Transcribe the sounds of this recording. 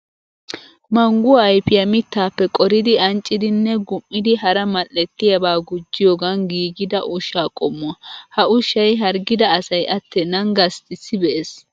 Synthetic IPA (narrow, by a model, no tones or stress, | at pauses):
mɐŋɡʊːjpɪjɐmɪt̪ːaːpːɛkʼɔɾɪd̪ɪɐnt͡ʃʼːɪd̪ɪnːɛɡʊmːɪd̪ɪɦɐɾɐmɐlːɛt̪ːɪjɐbaːɡʊd͡ʒːɪjoːɡɐnɡiːɡɪd̪ɐʔʊʃaːkʼɔmːʊɐhɐʊʃɐjɦɐɾɡɪd̪ɐːsɐjʔɐt̪ʰːɛnɐŋɡɐst̪ɪsːɪbɛʔes